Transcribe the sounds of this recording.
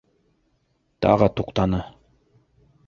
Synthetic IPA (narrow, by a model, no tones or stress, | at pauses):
t̪ɑ̰ʁət̪uqt̪ɑnɤ